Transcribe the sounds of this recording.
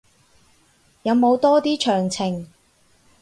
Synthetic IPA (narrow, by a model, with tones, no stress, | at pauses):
jɐ˨˧wmo˨˧wt̪ɔː˥t̪iː˥t͡ʃʰœː˨˩ŋt͡sʰɪ˨˩ŋ